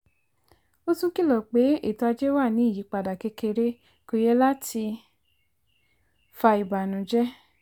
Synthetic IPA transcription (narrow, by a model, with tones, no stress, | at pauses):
o˦tũ˦ki˦˨lɔ˨k͡pe˨˦ḛ˦˨tɔ˧a˧d͡ʒɛ˦wa˦˨nĩ˨˦i˦˨ji˨˦k͡pa˨da˨ke˧ke˧ɾe˦ | ko˧jɛ˦la˦tʰi˧ | fa˧i˨ba˨nũ˨d͡ʒɛ˦